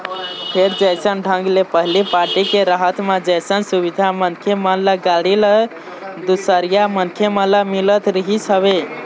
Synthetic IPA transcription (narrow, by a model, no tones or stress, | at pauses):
pʰeɾd͡ʒəjsənɖʱə̃ŋɡlepəɦilipaɾʈikeɾəɦət̪med͡ʒəjsənsubid̪ʱamənkʰemələɡaɽilə | d̪usəɾijamənkʰemələmilət̪ɾəɦisəβe